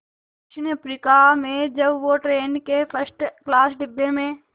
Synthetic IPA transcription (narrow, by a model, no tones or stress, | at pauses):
kɪt͡ʃʰɪnəpɾiːkamẽd͡ʒəbʋoːʈɾeːnkepʰəsʈklaːsɖɪbːemẽː